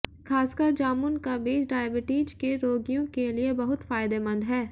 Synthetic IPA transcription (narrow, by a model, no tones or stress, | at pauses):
xʰaːskəɾd͡ʒaːmʊnkabiːd͡ʒɖaːjəbɪʈiːd͡ʒkeɾoːɡijõkeliebɐɦʊt̪faːjɪd̪emɐ̃nd̪ɦɛː